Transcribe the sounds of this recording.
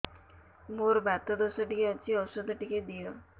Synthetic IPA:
moɾbat̪ɔd̪ɔsəʈikeət͡ɕiɔsɔd̪ʱʈiked̪ijɔ

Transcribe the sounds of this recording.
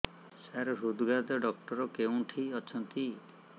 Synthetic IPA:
saɾɾud̪ɡad̪ɔɖɔk̚ʈɔɾɔkeũʈʰiɔt͡ʃʰɔnt̪i

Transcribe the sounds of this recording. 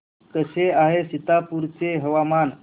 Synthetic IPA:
kəseaɦesit̪apuɾt͡seɦəʋaman

